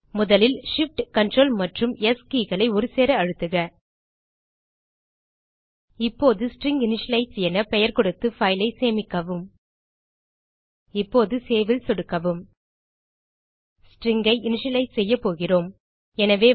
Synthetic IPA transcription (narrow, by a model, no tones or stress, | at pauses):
mʊðɐlɪlʂɪfʈkɐɳʈroːlmɐʈrɯmɛskiːɣɐɭɐɪɔɾɯseːɾɐɐɻɯt̪ːɯɣɐ | ɪpːoːðɯsʈrɪŋɡɪnɪʂɐlɐɪsɐnɐpɛjɐɾkɔɽɯt̪ːɯfɐɪlɐɪseːmɪkːɐʋɯm | ɪpːoːðɯseːʋɪlsɔɽɯkːɐʋɯm | sʈrɪŋɡɐɪɪnɪʂɐlɐɪsɛjːɐpoːɣɪroːm | ɛnɐʋeː